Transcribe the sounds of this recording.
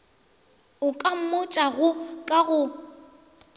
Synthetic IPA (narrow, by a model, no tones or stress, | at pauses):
ʊkʼam̩mʊt͡ʃʼaɣʊkʼaɣʊ